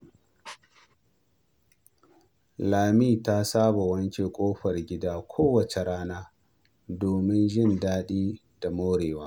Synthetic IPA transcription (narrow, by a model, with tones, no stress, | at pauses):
laː˨miː˦˨ta˦saː˦bo˨wɐ˦nt͡ʃe˨kʷʼoː˦ɸɐ˨rɡʲɪ˦daː˦kʷʰoː˦wɐ˨t͡ʃe˨ɾaː˦naː˦ | doː˨mɪ˦nʒɪ˦˨ndaː˦ɗiː˦ | da˨moː˦ɽeː˨waː˦